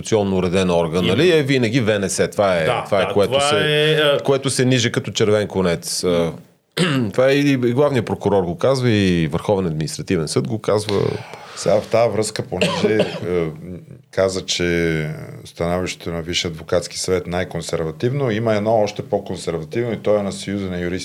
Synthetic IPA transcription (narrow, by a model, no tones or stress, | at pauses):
t̪siɔnːoʊɾɛd̪ɛnɔɾɡənːɐliɛvinɐɡ̟ivɛnɛsɛt̪vaɛt̪vaɛtkoɛt̪osɛɛkoɛt̪ʊsɛniʒɛkɐt̪ɔt͡ʃɛɾvɛnklˠonɛt̪sə | t̪vaɛiɡlˠavnijəpɾokʊɾɔɾɡokazvəivəɾxɔvɛnɐd̪minist̪ɾɐt̪ivɛnsɤd̪̚ɡokazvə̰sɛɡaft̪avɾɤəskəponɛʒɛ | kazət͡ʃɛ | st̪ɐnɔviʃt̪ɛ̥t̪onɐviʃiɐd̪vokat̪ski̥sɐvɛt̪najkonsɛɾvɐt̪ivnoiməɛd̪nɔɔʃt̪ɛpokonsɛɾvɐt̪ivnoit̪ɔɛnɐsɐjuzənɐjuɾis